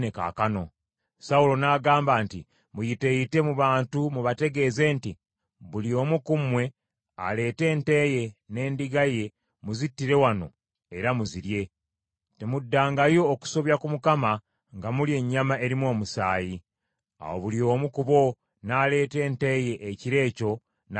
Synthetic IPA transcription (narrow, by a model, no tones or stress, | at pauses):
neka̰ːkano̞ | saulo̞naːɡaːmbaːnti | mujite̞jite̞muβaːntumuβate̞ɡe̞ːze̞nti | βulio̞ːmukumwe̞ | a̰le̞ːte̞ːnte̞ːje̞ne̞ːndiɡaje̞ | muzitːiɾe̞wano̞̰ | e̞ɾamuziɾje̞ | te̞mudːaːŋɡajo̞ːku̥so̞βjakumukama | ŋɡamulje̞ɲːamae̞ɾimwo̞ːmusaːji | a̰wo̞̰βulio̞ːmukuβo̞ | naːle̞ːte̞ːnte̞je̞ʔːciɾe̞ːco̞ | n